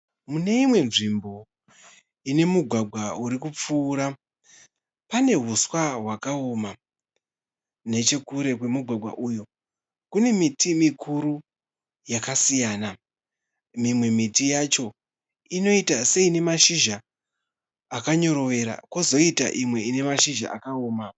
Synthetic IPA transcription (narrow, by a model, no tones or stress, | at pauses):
mune̞imwe̞nʐimbo̞ | ine̞muɡʱwaɡʱwauɾikup͡fuːɾa | pane̞ɦuswaɦwakao̞ma | ne̞t͡ʃe̞kuɾe̞kwe̞muɡʱwaɡʱwa̰ʔujo̞ | kune̞mitʰimikʰuɾu | jakasijaːna | mimwe̞mitijat͡ʃo̞ | ino̞itase̞ine̞maʃiʒa | kaɲo̞ɾo̞ʋe̞ɾa̰kozo̞ita̰ʔimwe̞ine̞maʃiʒa̰ʔa̰kaoːma